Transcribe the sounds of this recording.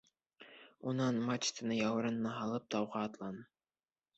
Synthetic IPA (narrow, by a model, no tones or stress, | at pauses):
unɑnmat͡ʃt̪ʰɤ̆nɤjɑwɤ̆ɾɤ̆nːɑɦɑlˠɤp̚t̪ʰɑwʁɑːt̪lˠɑnɤ